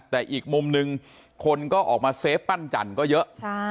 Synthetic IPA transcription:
t̪ɛː˨˩ʔiː˨˩k̚mu˧mnɯ˧ŋ | kʰo˧nkɔː˥˩ʔɔː˨˩k̚maː˧seː˦˥pːa˥˩nt͡ɕa̰˨˩nkɔː˥˩jɤ˦˥ʔt͡ɕʰ

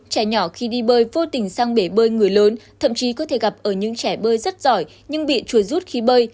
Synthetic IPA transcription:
t͡ɕɛ˧˩ɲɔ˧˩xi˧ɗi˧ɓəː˧jvo˧t̪ï˨˩ŋ̟saː˧ŋɓe˧˩ɓəː˧jŋɨ˨˩əjləː˨˦nt̪ʰə˧˨mt͡ɕi˨˦kɔ˨˦t̪ʰe˧˩ɣa˨˩p̚ʔəː˧˩ɲɨ̰˧˥ŋt͡ɕɛ˧˩ɓəː˧jzə˦˥t̚z̥ɔ˧˩j | ɲɨ˧ŋɓḭ˧˨t͡ɕu˧˩əzu˦˥t̚xi˨˦ɓəː˧j

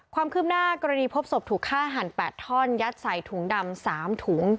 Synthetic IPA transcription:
kʰwaː˧mkʰɯː˥˩p̚naː˥˩kɔː˧ɾa˧niː˧pʰo˦˥p̚so˨˩p̚t̪ʰuː˨˩kʰːaː˥˩ɦa˨˩npɛː˨˩t̪ʰːɔː˥˩njaː˦˥t̪̚sa˨˩jt̪ʰuː˩˦ŋda˧msaː˩˦mt̪ʰuː˩˦ŋ

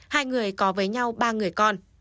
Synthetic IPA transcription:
haː˧jŋɨ˨˩əjkɔ˨˦vəː˨˦jɲa˧wɓaː˧ŋɨ˨˩əjkɔ˧n

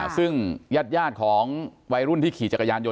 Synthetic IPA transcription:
sɯ˥˩ŋjaː˥˩t̪̚jaː˥˩t̪̚kʰɔː˩˦ŋwa˧jɾu˥˩nt̪ʰiː˥˩kʰiː˨˩t͡ɕa˨˩ka˧jaː˧njo˧

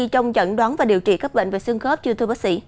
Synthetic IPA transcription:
i˧t͡ɕɔ˧wŋ͡mt͡ɕə̰˧˨nɗwaː˨˦nvaː˨˩ɗi˨˩əwt͡ɕḭ˧˨˩ka˦˥ɓḛ˧˨ŋ̟ve˨˩sɨ˧əŋxə˦˥p̚t͡ɕi˧t̪ʰɨ˧ɓaː˦˥k̚sḭ˧˥

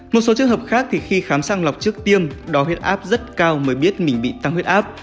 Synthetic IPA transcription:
mo˨˩t̚so˨˦t͡ɕɨ˧əŋɦəː˨˩p̚xaː˦˥k̚t̪ʰi˨˩xi˧xaː˨˦msaː˧ŋla˨˩wk͡p̚t͡ɕɨ˦˥ək̚t̪i˧əmɗɔ˨˦ɦwi˦˥ət̚ʔaː˦˥p̚zə˦˥t̚kaː˧wməː˨˦jɓi˦˥ət̚mï˨˩ŋ̟ɓḭ˧˨t̪a˧ŋhwi˦˥ət̚ʔaː˦˥p̚

